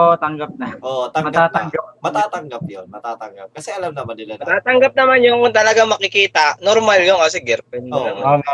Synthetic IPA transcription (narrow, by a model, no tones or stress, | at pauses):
ot̪ɐŋɡɐp̚nɐʔoʔt̪ɐŋmɡat̪ŋɡamɐt̪aːt̪ɐŋɡɐp̚jonmɐt̪aːt̪ɐŋɡap̚kɐsɛɐlamnɐmɐd̪ɪlɐd̪ɐt̪aːt̪ɐŋɡap̚nɐmanjʊŋt̪ɐlɐɡaŋmɐkɪkiːt̪ɐnoɾmaljonkɐsɛɡɛɾpɛnɐ